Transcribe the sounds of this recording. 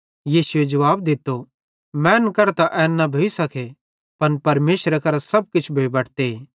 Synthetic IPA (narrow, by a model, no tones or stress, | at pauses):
jiːsʊed͡ʒɐʋaːb̚d̪ɪt̪ːo | mɛ̃ːnkɐɾt̪aʔɛːnːabʱoisɐkʰe | pɐnpɐɾmeːsɾakɐɾasɐb̚kɪt͡ʃʰbʱeibɐʈʰt̪e